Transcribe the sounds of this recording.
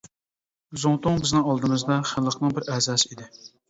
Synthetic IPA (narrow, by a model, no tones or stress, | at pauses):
zuŋt̪ʊŋbɪznɪŋɑlˠd̪ɨmɨzd̪ɑχɪnlˠəqʰnɨŋbɪɾɛzɑːsɪid̪ɪ